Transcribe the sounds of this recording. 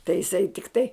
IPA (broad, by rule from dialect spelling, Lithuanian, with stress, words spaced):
tɐɪ jɪˈsɐɪ tʲɪkˈtɐɪ